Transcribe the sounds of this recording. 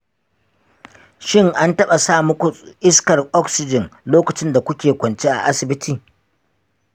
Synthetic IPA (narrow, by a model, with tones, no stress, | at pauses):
ʃɪ˦ŋʔa˦ntɐ˦ɓa˨saː˦mʊ˦kʷu˨ʔɪ˦skɐ˨rʔɔ˦ksɪ˨d͡ʒɪ˨ŋloː˦kɐ˨t͡ʃɪ˦nda˨kʷʊ˦kʲeː˨kʷɐ˨nt͡ʃe˦ʔa̰˨ʔa˦sɪ˨bɪ˦tʰiː˨